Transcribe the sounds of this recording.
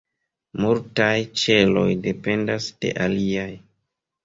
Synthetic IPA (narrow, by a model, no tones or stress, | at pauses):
multajt͡ʃe̞lo̞jde̞pe̞ndasd̥e̞̰ʔaliaj